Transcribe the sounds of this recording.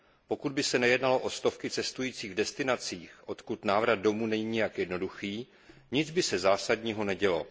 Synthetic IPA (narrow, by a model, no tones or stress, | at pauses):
po̞kud̪̚bɪsɛnɛjɛdnalo̞ʔo̞st̪o̞fkɪt͡sɛst̪ujiːt͡siːɣvdɛst̪ɪnat͡siːxʔo̞t̪kut̪naːvɾad̪̚do̞muːnɛɲiːɲɪjakjɛdno̞duxiː | ɲɪd͡zbɪsɛzaːsadɲiːɦo̞nɛɟɛlo̞̰